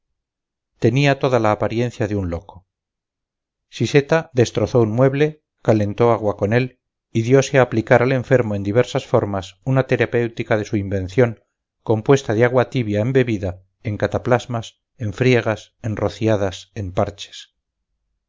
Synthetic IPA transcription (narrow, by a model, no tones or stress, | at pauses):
t̪e̞niat̪o̞ðalaːpaɾjẽ̞n̟θjaðeunlo̞ko | sise̞t̪aðe̞st̪ɾo̞θo̞unmwe̞βle̞ | kale̞nt̪o̞aɣwako̞ne̞l | iðjo̞seaːplikaɾale̞ɱfe̞ɾmoe̞nd̪iβ̞e̞ɾsasfo̞ɾmasunat̪e̞ɾape̞wt̪ikaðe̞suimbẽ̞nθjo̞ŋ | ko̞mpwe̞st̪aðeaɣwat̪iβjae̞mbe̞βiða | e̞ŋkat̪aplazmas | e̞ɱfɾje̞ɣ̞asenro̞θiaðase̞mpaɾt͡ʃe̥s